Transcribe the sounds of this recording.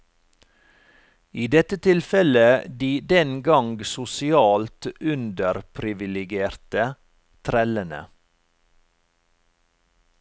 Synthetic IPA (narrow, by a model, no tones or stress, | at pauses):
iːd̪ɛt̪ət̪ʰɪlfɛləd̪iːd̪ɛnɡɑŋɡsʊsɪɑːlt̪ʉnd̪əɾpʰɾɪʋɪlɪɡeːɾt̪ə | t̪ʰɾɛlənə̰